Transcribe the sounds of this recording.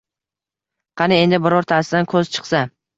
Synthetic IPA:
qʰɑnɪe̞nd̪ɪbɪɾɒɾt̪ʰaɾsɪd̪ankʰɵzt͡ʃʰɨ̥qsa

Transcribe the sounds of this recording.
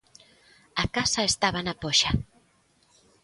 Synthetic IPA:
akasaest̪aβ̞anapoʃa

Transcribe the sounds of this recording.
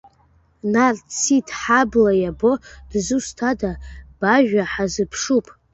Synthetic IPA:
nart͡sʰitʰʼħablajabod̥zustʰadab̥aʒᶣʷaħazɨpʰʂupʼ

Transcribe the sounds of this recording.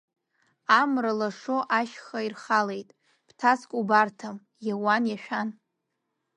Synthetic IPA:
amralaʂoʔaʃχairχale̞jtʼ | ptʰaskʷʼubartʰam | jawanjaʃᶣan

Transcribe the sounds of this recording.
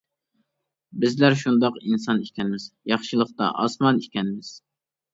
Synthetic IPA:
bɪzlæɾʃund̪ɑqinsɑnikʲʰɛnɪmɪz̥jɑχʃɨlˠəqt̪ɑ̰ʔɑsmɑnikʲʰɛnɪmɪz̥

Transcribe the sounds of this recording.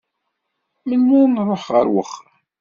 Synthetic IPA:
mənːʊɾˤnrˤoħʁə̰ɾwə̰χ

